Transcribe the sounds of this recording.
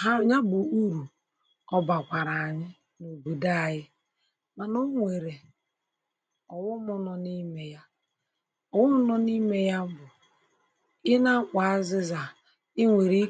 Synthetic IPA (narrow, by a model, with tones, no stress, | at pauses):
ɦa˦ɲa˦bu˨u˦ɾu˨ | ɔ˦ba˨kʷa˨ɾa˨a˨ɲɪ˦ | no˨bu˨da˦˨ɣɪ˦ | ma˨no˦ŋʷe˨ɾe˨ | ɔ˨wʊ˦mɔ˦nɔ˨ni˦me˨ja˦ | ɔ˨wʊ˦m̩˦nɔ˦ni˦me˦ja˦bʊ˨ | ɪ˦na˦k͡pa˨a˦zɪ˦za˨ | ɪ˦ŋʷe˨ɾi˦